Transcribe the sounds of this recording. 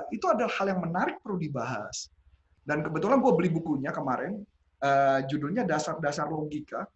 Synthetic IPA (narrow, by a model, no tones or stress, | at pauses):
it̪uadalahaljaŋmənaɾɪk̚pərludibaɦa̰s | dankəbət̪ulanɡuabəlihbukuɲakəmaɾɪn | əd͡ʒudʊlɲadasardasarloɡika